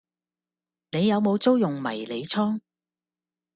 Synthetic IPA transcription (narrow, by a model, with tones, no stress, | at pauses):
ne˨˧jːɐ˨˧wmo˨˧wt͡so˥wjʊ˨˩ŋmɐ̰˨˩jle˨˧jt͡sʰɔː˥ŋ